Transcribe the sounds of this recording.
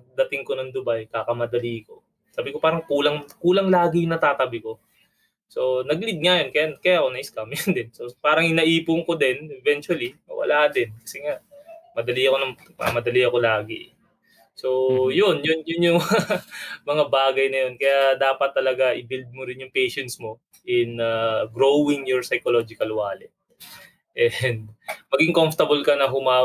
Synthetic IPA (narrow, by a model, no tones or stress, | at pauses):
d̪ɐt̪ɪŋko̞nɐŋd̪ʊbajkaːkɐmɐd̪ɐliːko̞ | saːbɪko̞paːɾɐŋkuːlɐŋkuːlɐŋlaːɡɪjnɐt̪aːt̪ɐbɪko̞ | so̞nɐɡlɪd̪̚ŋajo̞nkɐjakɐjaʔko̞nɐʔɪskɐmjʊnd̪ɛnso̞paːɾɐŋɪnɐʔiːpʊŋko̞d̪ɛnʔɛvɛnt͡ʃwɐlimɐ̰wɐ̰lʔaːd̪ɪnkɐsɛŋaʔmɐd̪ɐliɐko̞nɐŋ | mɐ̰mɐd̪ɐliɐko̞laːɡɪ̰ʔ | so̞jonjʊnjʊnjʊŋ | mɐŋabaːɡɐjnɐjo̞nkɐjad̪aːpɐt̪ːɐlɐɡaʔɪbild̪̚moɾɪnjʊŋpejʃɛnt̪smo̞ | ʔɪnɐɡɾowɪŋjʊɹsɐjkolod͡ʒɪkɐlwaːlɛ | ʔɛnd̪mɐɡiŋkomft̪ɐbʊlkɐnɐɦʊmaː